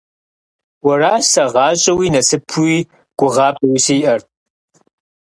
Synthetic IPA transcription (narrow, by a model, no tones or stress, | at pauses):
wɐraːɕɐʁɑːɕʼɐwiːnɐsɨpʰuiː | ɡ̥ʷʊʁɑːpʼɐwisiːʔɐr